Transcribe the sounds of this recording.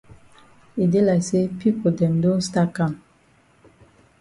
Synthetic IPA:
i˨de˦la˨se˦pi˦po˨dɛ˨mdõ˦n˦sta˦ka˦˨m

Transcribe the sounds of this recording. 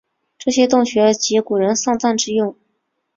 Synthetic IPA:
ʈ͡ʂɤ˥˩ɕjɛ˥t̪ʊ˥˩ŋɕɥɛ˧˥t͡ɕi˧˥ku˨˩ɻə˧˥nsɑ˥˧ŋt͡sa˥˧nʈ͡ʂɻ̩˥˧jʊ˥˩ŋ

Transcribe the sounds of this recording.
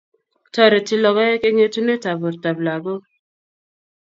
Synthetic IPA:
tɔ˦ɾe˨ti˦lɔ˨ɣɔ˦je˦ke˦ŋe˦tu˦ne˦ta˨bu˨ɾta˨bla˨ɡo˦

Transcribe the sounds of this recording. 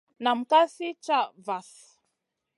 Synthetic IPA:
na˨m̩˨ka˦si˦t͡ʃa˦va˨s

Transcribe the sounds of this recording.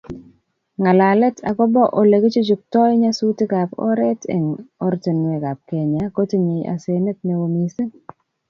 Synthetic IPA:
ŋa˨la˨lɛ˦tʰa̰˨kɔ˦bɔ˦ʔo˨le˨ɡi˦t͡ʃu˦d͡ʒu˨k̚tɔ˦jɲa˦su˦ti˦ka˨pɔ̰˦ɾɛ˦tʰɛ̰˨ŋɔ˦ɾte˨n˨e˨ka˨p̚ke˨ɲa˨ko˦ti˦ɲe˨ja̰˨se˨ne˦t̚me˨wo˨mi˨se˦

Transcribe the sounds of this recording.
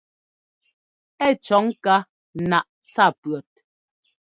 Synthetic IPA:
ɛ˦˨t͡ʃɔ˨˦ŋka˦ | na˨ʔ | t͡sa˦˨pɰɔ˨t̚

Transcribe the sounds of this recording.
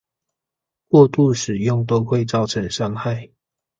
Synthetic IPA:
kwɔ˥˧t̪u˥˨ʂɻ̩˨˩jʊ˥˨ŋt̪̬o˥˦ʊxwe˥˨ɪt͡sɑ˥˨ʊʈ͡ʂʰə˨˥ŋʂɑ˥ŋxa˥˨ɪ

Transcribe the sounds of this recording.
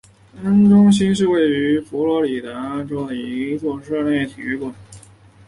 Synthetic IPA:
a˥nʈ͡ʂʊ˥ŋɕ̬i˥nʂɻ̩˥˧we˥˩ɪy˧˥fu˧˥lwɔ˧˥li˨˩t̪a˧˥a˥˩nʈ͡ʂo˥ʊd̪ə˨˩i˧˥˧t͡swɔ˥˧ʂɤ˥˧ljɛ˥˩ɪt̪ʰi˧y˥kwə˨˩˦

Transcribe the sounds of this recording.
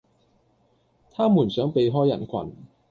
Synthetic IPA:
t̪ʰaː˥muː˨˩nsœː˨˥ŋpe˨˧jɦɔː˥jɐ˨˩nkʷʰɐ̰˨˩n

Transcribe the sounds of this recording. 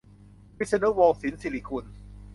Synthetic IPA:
wi˦˥sə˧nə˦˥wɔː˧ŋsi˨˩˦nsi˧li˧˩kʰu˧n

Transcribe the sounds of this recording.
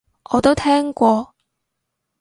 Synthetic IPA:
ɔː˨˧t̪o˥wt̪ʰɛː˥ŋkʷɔː˧

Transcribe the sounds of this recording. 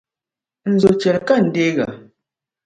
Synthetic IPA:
n̩˨zo˨t͡ʃɛ˨lka˦˨n̩˨de˦ɣa̰˨

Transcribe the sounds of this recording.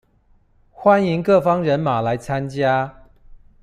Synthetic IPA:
xwa˦ni˨˦ŋkɤ˥˨˩fɑ˦ŋɻə˨˧˦nma˨˩la˨˦ɪt͡sʰa˦nt͡ɕja˦

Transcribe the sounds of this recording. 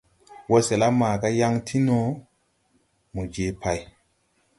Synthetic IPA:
wo˦se˨la˦maː˨ka˦ja˦ŋtʰi˦no˨˦ | mu˨d͡ʒe˨pʰa˨j

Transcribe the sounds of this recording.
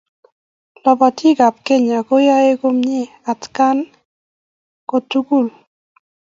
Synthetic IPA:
lɔ˨bɔ˨tɪ˦ɡa˨p̚ke˦ɲa˨ko˦ja˦e˦ko˦mɲɪ˦ | a˨tka˦n | kɔ˨tu˦ku˦˨l

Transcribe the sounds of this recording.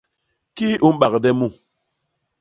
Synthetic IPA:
ki˦u˦m˦ɓa˨kdɛ˦mu˦

